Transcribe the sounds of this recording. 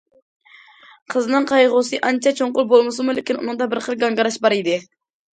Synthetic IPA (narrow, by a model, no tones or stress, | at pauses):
qʰəznɨŋqʰɑjʁʊsɨʔɑnt͡ʃʰɑt͡ʃʰoɴqʊlˠbolˠmɨsɨmulɪkʲinṵnɨŋd̪ɑbɪɾqəlˠɡɑŋɡɑɾɑʃbɑɾid̪ɪ